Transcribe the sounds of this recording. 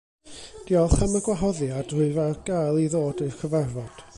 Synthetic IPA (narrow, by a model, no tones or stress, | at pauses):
d̥iɔθaməɡwaɦɔðjad̥rʊɨvɛɡ̥ajlˠiðoːdɨkʰəvɛrvɔd̥